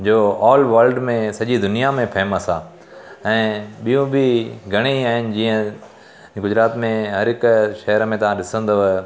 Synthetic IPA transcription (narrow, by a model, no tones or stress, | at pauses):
d͡ʑoːɔːlʋəɾlɖmẽsɐʄid̪ʊnijamẽpʰɛːməsaː | ɛ̃ːɓijũbɪɡʱɐɽ̃iaːɦɪnɪ̆d͡ʑiːə̃ | ɡʊd͡ʑɾaːt̪mẽɦɐɾɦɪkʃɐɦəɾəmẽt̪ɐʋ̤ãɗɪsə̃nd̪o